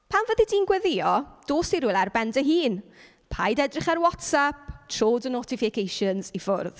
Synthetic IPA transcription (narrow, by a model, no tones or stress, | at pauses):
pʰamvəðidiːnɡwɛðɪɔd̥oːsiɾʊlˠarbɛndəɦiːn | pʰa̰jdɛdrɪχarwɔtsap̚tʰroːdənotɪfɪkʰejʃənzifʊrð